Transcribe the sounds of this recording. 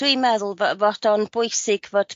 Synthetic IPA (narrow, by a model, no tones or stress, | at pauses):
wiːmɛðəlˠvvɔd̥ɔnbʊjsɪɡ̥vɔd̥